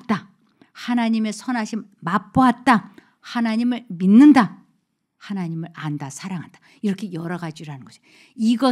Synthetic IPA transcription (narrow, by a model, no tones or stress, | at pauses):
t͈a | hanaɲime̞sʰʌnɦaɕʰimap͈oɦat̚t͈a | hanaɲimɯɭminːɯnda | hanaɲimɯɭʔandasʰaɾaŋɦand̥a | iɾʌkʰe̞jʌɾʌɡad͡ʑiɾɯɦanɯnŋɡʌsʰi̥ | iɡʌ